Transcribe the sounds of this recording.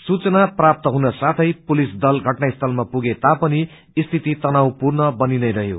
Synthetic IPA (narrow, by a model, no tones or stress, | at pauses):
sut͡sʌnaprap̚t̪ʌɦunʌsat̪ʰʌjpulisd̪ʌlɡʱʌʈnaist̪ʰʌlmapuɡet̪apʌni | ist̪ʰit̪it̪ʌnawpurnʌbʌninʌjɾʌɦjo̰